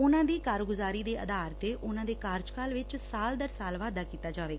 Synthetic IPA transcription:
ʊnãːd̪iːkaːɾɡʊzaːɾiːd̪eːʔə̰d̪aːɾt̪eːʔʊnãːd̪eːkaːɾd͡ʒkaːlʋɪt͡ʃsaːld̪əɾsaːlʋaːd̪aːkiːt̪aːd͡ʒaːʋeːɡaː

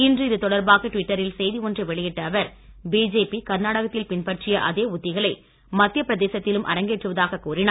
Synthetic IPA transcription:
ɪndrɯɪðɯt̪ɔɽɐɾbaːɣɐʈʋɪʈːɐɾɪlsɛjðiɔndrɐʋɛɭɪjɪʈːɐːʋɐɾ | biːd͡ʒeːpikɐɾnaːɽɐɣɐt̪ːɪlpɪnpɐʈrɪjɐʔɐðeːʊt̪ːɪɣɐɭɐɪ | mɐt̪ːɪjɐpɪɾɐðeːsɐt̪ːɪlɯmʔɐ̰ɾɐŋɡeːʈrɯʋɐðaːɣɐkuːrɪnaː

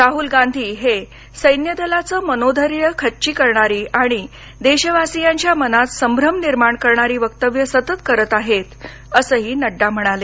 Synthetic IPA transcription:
ɾaɦuːlɡãnd̪ʱiːɦe | səjnjəd̪əlat͡səːmənod̪ʱəɾjəkʰətːɕiːkəɾɳaɾiːʔaɽ̃i | d̪eɕəʋasijãɲt͡ɕjamənat̪səmbʱɾəmniɾmaɳkəɾɳaɾiːʋəkt̪əʋjəsət̪ət̪kəɾət̪aɦet̪ | əsəːɦiːnəɖːam̤əɽ̃ale

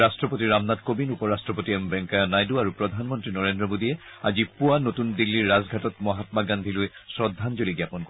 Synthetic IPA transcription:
astɹɔpotiɹamnadkobinupɔɹastɹɔpotiɛmbɛŋkajɔnajduaɹupɹɔd̪ʱanmɔntɹinɔɹendɹɔmodiɛ | azipuanotundilːiɹːazɡʱatɔt̚mɔɦatmaɡandʱilʊjsɹɔdʱːanzoliɡjapɔnko

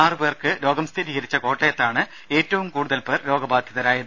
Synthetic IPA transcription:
aːrɨbeːrkɨlo̞ːɡɐmst̪ʰiɾiːɣɐɾit͡ɕːɐko̞ːʈːejɐt̪ːaːɳɨ | e̞ːtːɐʋumkuːɽuðɐlpeːrlo̞ːɡɐbaːd̪ʱjɐðɐɾaːjɐn

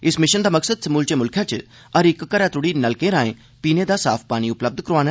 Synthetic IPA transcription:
ɪsmɪʃənd̪aːməksəd̪səmuːlt͡ʃeːmʊlkʰjat͡ʃ | əɾɪkːəɾaːt̪ʊɽiːnəlkẽɾãːẽː | piːned̪aːsaːpʰpaːñiʊpləb̚d̪kəɾoaːn

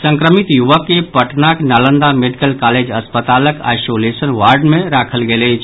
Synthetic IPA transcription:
səŋkɾəmit̪juʋəkːepəʈnaknalənd̪ameɖikəlkaled͡ʒəspət̪aləka̰jsolesənʋaɾɖmẽɾakʰəlɡeləɪt͡ʃʰ

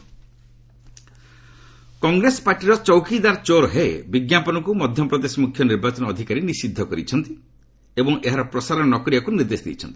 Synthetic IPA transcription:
kɔŋɡɾesɔ̥paɾʈiɾɔt͡ʃɔwkid̪aɾt͡ʃoɾɦeebiɡjapɔnɔkumɔd̪ʱjɔpɾɔd̪esɔmukʰjɔniɾbat͡ʃɔnɔːd̪ʱikaɾinisid̪ʱːɔkɔɾit͡ʃʰɔnt̪i | ebɔŋeɦaɾɔpɾɔsaɾɔnɔnɔkɔɾiakuniɾd̪esd̪ḭjt͡ʃʰɔnt̪i̥

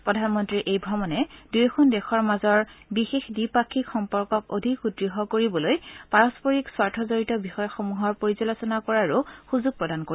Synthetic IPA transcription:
pɹɔdʱanmɔntɹiʔejbʱɹɔmɔnɛdujkʰundɛxɔɹmazɔɹbixexdipakʰːikxɔmpɔɹkɔko̰dʱikudɹiɦɔkoɹibɔlojpaɹɔspɔɹikswaɹtʰɔzoɹitɔbixɔjɔxomuɦɔɹpoɹizɔlɔsɔnakɔɹaɹuxuzuɡ̚pɹɔdanko

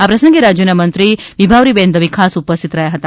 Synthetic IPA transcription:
apɾɐsəŋɡeɾad͡ʒjɐnamɐnt̪ɾiʋibʱaʋɾibend̪ʱɐʋikʰaːsupəst̪ʰit̪ɾɐjaɦɐt̪a

